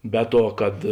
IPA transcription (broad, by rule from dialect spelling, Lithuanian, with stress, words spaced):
ˈbʲɛ ˌtuɔ kɐt